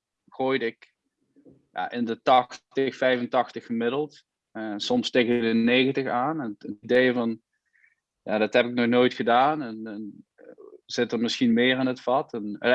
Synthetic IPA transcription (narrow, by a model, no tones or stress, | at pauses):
χoːjdəɪk | ja̰ːʔɪndətɑxtəxfɛjfəntɑxtəxəmɪdəlˠt | sɔmstejkədənejɣəntəxaːnɛnətidejvɑn | ja̰ːdɑtɦɛpɪk̚nɔχnoːjtxədaːnɛnɛn | z̥ɪtərmɪsxinmɪːrɪnətfɑtɛn